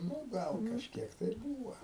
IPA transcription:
ˈnʊ ˈɡɐlˠ kɐʃʲˈkʲiɛk tɐɪ ɪr ˈbuːʋɐ

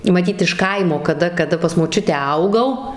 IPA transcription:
mɐˈtʲiːt ɪʃ ˈkɐɪmoː kɐˈdɐ kɐˈdɐ pɐs moːˈt͡ʃʲʊtʲæː ˈɐʊɡɐʊ

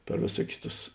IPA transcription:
pʲɛr ʋʲeːˈsuɔkʲʊs ˈtʊs

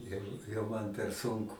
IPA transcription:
ˈjɛʊ jɛʊ ˈmɐn pʲɛr ˈsʊŋkʊ

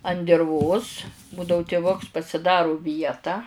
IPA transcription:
ɐn dʲɪrˈʋoːs ˈbuːdɐʊ tʲɪˈʋʊks pɐsʲɪˈdɑːrʊ ˈʋʲiɛtɑː

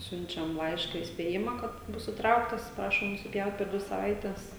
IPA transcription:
ˈsʲʊnʲt͡ʃʲɛm ˈlˠɐɪʃkɐ iːsʲpʲeːˈjɪmɐ kɐt ˈbʊs ɪˈtrɐʊktɐs ˈprɑːʃoːm nʊsʲɪˈpʲjɛʊt pʲɛr ˈdʲʋʲɪ sɐˈʋɐɪtʲɛs

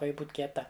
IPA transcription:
ˈkɐ ˈjɪ ˈbuːt kʲiɛˈtɐ

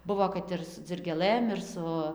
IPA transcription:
ˈbʊʋoː kɐt ˈɪr sʊ d͡zʲɪrʲɡʲeːˈlˠɘm ɪr ˈsʊ

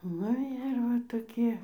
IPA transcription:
ˈnʊ ɪr ˈʋɐ toːˈkʲiɛ

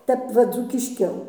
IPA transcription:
ˈtʲɛp ʋɐ d͡zuːkʲɪʃʲˈkʲɛʊ

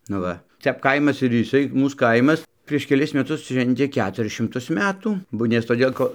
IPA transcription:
nʊ ˈʋɐ ˈtʲɛp kɐɪmɐs ɪr jɪˈsɐɪ ˈmuːs ˈkɐɪmɐs pʲrʲiɛʃ kʲɛˈlʲɪs mʲɛˈtʊs ˈʃʲʋʲɛnʲtʲeː ˈkʲæːtʊrʲɪs ʃʲɪmˈtʊs ˈmʲæːtuː ˈbʊ nʲɛs toːˈdʲeːlˠ ˈkoː

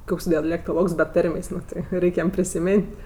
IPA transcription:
ˈkoːks dʲɛlʲɛktoːˈlˠoːks bʲɛ ˈtɐrʲmʲeːsʲ ˈnʊ tʲɪ ˈrʲɛɪkʲ ˈjɛm pʲrʲɪsʲɪˈmʲeːnʲtʲ

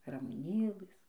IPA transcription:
rɐmʊˈnʲeːlˠɘs

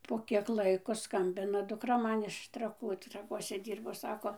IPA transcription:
ˌpoː kʲiɛk ˈlˠɐɪkoː ˈskɐmʲbʲɪnɐ dʊkˈrɐ ˈmɐn ɪʃ trɐˈkuː trɐˈkuɔsʲɛ ˈdʲiːrboː ˈsɑːkoː

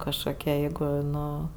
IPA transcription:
kɐʃkoːˈkʲiɛ ˈjɛɪɡʊ ˈnʊ

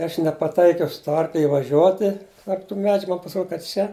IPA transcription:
ɪ ˈɐʃ nʲɛpɐˈtɐɪkʲɛʊ sʊ ˈtuɔ ˈɐrklʲɪ ɪʋɐˈʒʲuɔtʲɪ tɐrp tuː ˈmʲæːd͡ʒʲʊ ˈmɐn pɐsʲɪˈroːtʲ kɐ ˈt͡ʃʲɛ

